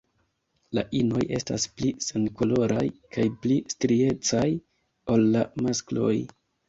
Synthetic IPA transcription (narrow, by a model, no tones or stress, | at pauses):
laʔino̞je̞sta̰splisenko̞lo̞ɾʔajkʰajplistɾie̞t͡saj | o̞lːamasklo̞̰j